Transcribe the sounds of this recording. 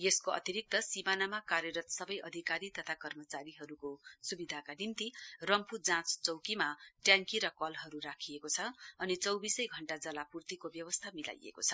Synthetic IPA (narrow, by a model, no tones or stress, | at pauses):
jeskoʌ̰t̪iɾik̚t̪ʌsimanamakarjʌɾʌt̪sʌbʌjʔʌd̪ʱikaɾit̪ʌt̪ʰakʌrmʌt͡saɾiɦʌɾukosubid̪ʱakanimt̪irʌmpud͡zãt͡st͡sʌwkimaʈjãŋkiɾʌkʌlɦʌɾurakʰiekot͡sʰʌʌnit͡sʌwbisʌjɡʱʌɳʈad͡zʌlapurt̪ikobjʌwʌst̪ʰamila̰jḛkot͡sʰʌ